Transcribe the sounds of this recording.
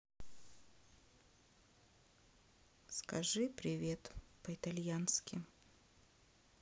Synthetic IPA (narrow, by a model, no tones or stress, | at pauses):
skɐʐɨpɾʲɪvʲet̪pəɪt̪ɐlʲjanskʲɪ